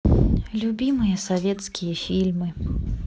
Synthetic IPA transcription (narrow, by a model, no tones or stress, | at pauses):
lʲubʲimɨjɐsavʲɛt̪skʲijɐfʲilʲmɨ